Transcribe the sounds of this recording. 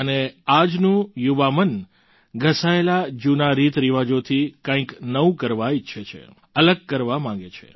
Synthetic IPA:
ənead͡ʒnũjuʋamən | ɡʱəsaelad͡ʒunaɾit̪ɾiʋad͡ʒot̪ʰikãĩknəũkəɾʋaitːʃʰet͡ʃʰḛ | ələɡ̚kəɾʋamãŋɡet͡ʃʰḛ

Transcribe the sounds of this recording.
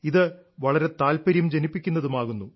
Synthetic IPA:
iðɨ | ʋɐɭɐɾe̞t̪aːlpɐɾjɐmd͡ʑenipːikʲːunːɐðumaːɣunːu

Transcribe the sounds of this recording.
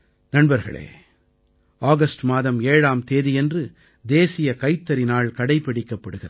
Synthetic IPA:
nɐɳbɐɾɣɐ̰ɭḛː | aːɣɐsʈmaːðɐmeːɻaːmt̪eːðijɛndrɯ | d̪eːsɪjɐkɐɪt̪ːɐɾɪnaːɭkɐɽɐɪpːɐɪɽɪkːɐpːɐɽɯɣɪrɐ

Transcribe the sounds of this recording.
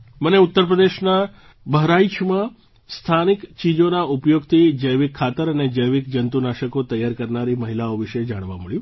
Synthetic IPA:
məneut̪ːəɾp̬ɾəd̪eʃna | bəɦɾait͡ʃʰmã | st̪ʰanikt͡ʃid͡ʒonaupjoɡt̪ʰid͡ʒəjʋikʰːat̪əɾəned͡ʒəjʋikd͡ʒənt̪unaʃəkot̪əjaɾkəɾnaɾiməɦilaoʋiʃed͡ʒaɽ̃ʋã̰məɭjũ

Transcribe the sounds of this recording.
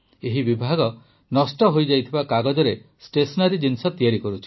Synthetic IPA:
eɦibibʱaɡɔ | nɔsʈɔɦojd͡ʒajt̪ʰibakaɡɔd͡ʒɔɾesʈesɔnaɾid͡ʒinsɔt̪iaɾikɔɾut͡ʃʰi̥

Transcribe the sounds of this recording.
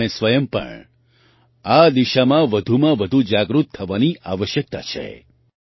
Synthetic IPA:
ẽsʋəjəmpə̰ɳ | ad̪iʃamãʋəd̪ʱumãʋəd̪ʱud͡ʒaɡɾut̪ʰːəʋaniʔaʋəʃjək̚t̪a̰t͡ʃʰḛ

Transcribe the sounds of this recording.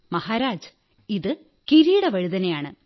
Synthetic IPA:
mɐhaːɾaːd͡ʑɨ | iðɨ | kiɾiːɽɐʋɐɻuðɐnejaːɳɨ

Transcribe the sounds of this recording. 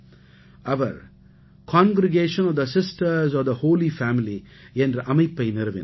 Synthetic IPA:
ɐʋɐɾ | kãːŋɡɾɪɡeːʃɐ̃nɔʋd̪ɐsɪsʈɐɾzɔʋd̪ɐhoːlifæːmiliẽndɾʔɐmɐjpːɐɪnɪɾɐʋḭn

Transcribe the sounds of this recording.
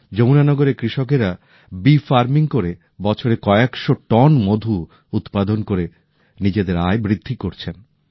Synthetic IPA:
d͡ʑownanɔɡoɾekɾiʃok̬eɾa | bifaɾmiŋkoɾe | bɔt͡ɕʰoɾekɔeekʃoʈɔnmod̪ʱu | ut̪pad̪onkoɾe | nid͡ʑed̪eɾaebɾid̪ʱːikoɾt͡ɕʰen

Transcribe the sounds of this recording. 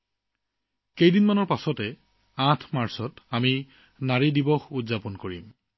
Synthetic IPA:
kejdinmanɔɹpasɔtɛ | ãtʰmaɹsɔtami | naɹidibɔxudzapɔnkoɹim

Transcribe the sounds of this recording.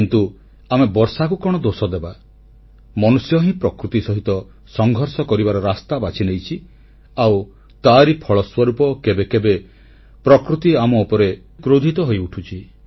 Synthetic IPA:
kint̪u | amebɔɾsakukɔɽ̃ɔd̪osɔd̪eba | mɔnusjɔɦĩpɾɔkɾut̪isɔɦit̪ɔ | sɔŋɡʱɔɾsɔkɔɾibaɾɔɾast̪abat͡ʃʰinejt͡ʃʰi | aw | t̪aɾipʰɔɭɔswɔɾupɔkebekebe | pɾɔkɾut̪iamɔupɔɾe | kɾod̪ʱit̪ɔɦojuʈʰut͡ʃʰi

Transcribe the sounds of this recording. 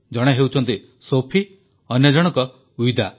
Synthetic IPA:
d͡ʒɔɽ̃eɦewt͡ʃʰɔnt̪i | sopʰi | ʌnjɔd͡ʒɔɽ̃ɔkɔ | uwid̪ʱa

